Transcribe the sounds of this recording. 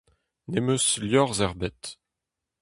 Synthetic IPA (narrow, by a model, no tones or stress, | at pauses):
nemøsljɔʁzɛʁbɛt̪